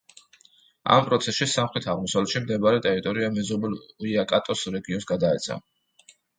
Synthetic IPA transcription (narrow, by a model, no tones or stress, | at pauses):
a̰mpʼɾɔt̪sʰɛsʃisamχɾɛt̪ʰaʁmɔsavlɛt̪ʃimd̪ɛbaɾɛt̪ʼɛɾit̪ʼɔɾiamɛzɔbɛliakʼat̪ʼɔsɾɛɡiɔnsɡad̪aɛt̪sʰa̰